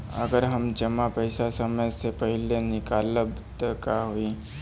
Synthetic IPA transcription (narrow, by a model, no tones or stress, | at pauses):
ə̰ɡəɾɦɐmd͡ʒəmapəɪsasəməjsepəɦɪlenɪkaːləbt̪əkaɦoːiː